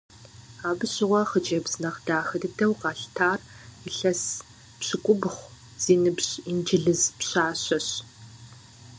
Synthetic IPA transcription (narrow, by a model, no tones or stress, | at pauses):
aːbɨɕɪʁʷɔχət͡ʃʼɐbz̥nɐχd̥aːxɐdɨdʰɐwqɑːɬtʰaːriɬɐs | pɕɪkʷʼʊbχʷ | z̥iːnɨbɕind͡ʒɪɮɨzpɕaːɕɐɕ